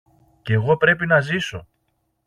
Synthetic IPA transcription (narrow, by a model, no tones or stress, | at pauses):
ceɣo̞pɾe̞pinɐziso̞